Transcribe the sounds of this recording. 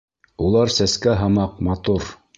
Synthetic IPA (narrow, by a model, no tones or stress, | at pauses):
ulˠɑɾsæskæɦɑmɑqmɑt̪uɾ